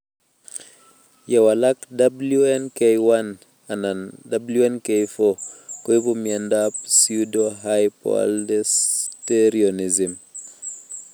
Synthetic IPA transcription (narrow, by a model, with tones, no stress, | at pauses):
je˨wa˨la˦k̚da˦blu˦e˦nke˦jwa˦n | a˨na˨nda˨blu˦e˦nke˦jfo˦ko˦i˦bu˦mie˨nda˦p̚su˦do˦ɦa˦jpɔ̰˨˦ldɛ˦ste˦ɾio˨ni˨zi˨m